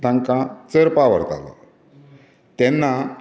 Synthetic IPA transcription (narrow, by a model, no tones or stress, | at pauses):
t̪ãŋkãt͡səɾpaʋə̰ɾt̪a̰lɔ̰ | t̪ɛnːa